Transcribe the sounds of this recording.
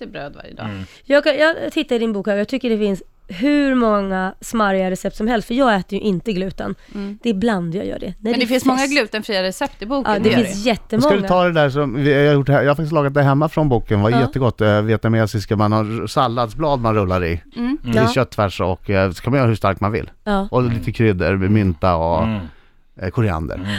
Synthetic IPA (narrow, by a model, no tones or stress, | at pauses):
bɾøːd̪va̰ɾjəd̪ɑ̰ː | jɑːɡkajɑːɡt̪ʰɪt̪ːaɪd̪ɪnbuːkhæɾjɑɡ̚t̪ʰʏkːəɖɛfɪns | ɦʉ̟ɾmɔŋːasmaɾjaɾɛsɛp̚t̪sɔmɦɛlst̪fœɾjɑːɡɛːt̪əɾjɵʔɪnt̪əɡlʉ̟ːt̪a̰nd̪̥ɛbland̪jɑ̰ɡjœ̰ːɖɛ̰nɛd̪ɛfɪnsmɔŋːaɡlʉ̟ːt̪ənfɾiːaɾɛsɛpt̪ɪbuːd̪ɛɪnsjɛt̪ːəmsɔkad̪ɵt̪ʰɑːd̪ɛd̪æːʂɔmjhajʊʈːhɛjɑːhafak̪̚ɪslɑːɡat̪̚d̪æɾɦɛmːafɾɔnbuːkənvajjɛt̪ːəɡɔt̪ːveːt̪amɛasɪskamanhasalːad̪sblɑːd̪manɾɵlːaɾɪ | ɕœt̪ʰːvæʂɔ̰kːsɔ̥kʰamanœːɾahɵʂst̪a̰ɾkmanvɪ̰lːɑːɔliːt̪əkʰɾʏd̪ːə̰ɾmɛmʏnt̪aɔ | kʰʊɾɪa̰nd̪ə̰ɾ